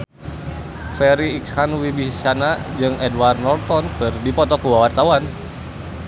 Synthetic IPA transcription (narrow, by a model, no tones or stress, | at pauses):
fɛɾiːkshanwibit͡ʃanad͡ʒɨŋɛdwarnɔlt̪ɔnkɨrdipɔt̪ɔkuwawart̪awan